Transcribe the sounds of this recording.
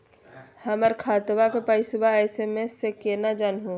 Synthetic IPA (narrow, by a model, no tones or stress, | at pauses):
həməɾkʰaːt̪ʋakepəɪsbaɛːsemẽsekenad͡ʒaːnɦõː